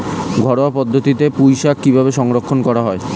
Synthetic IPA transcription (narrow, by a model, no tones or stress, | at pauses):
ɡʱɔɽowapɔd̪ʱːot̪it̪epujʃakːibʱabeʃɔŋɾokʰːonkɔɾaɦɔe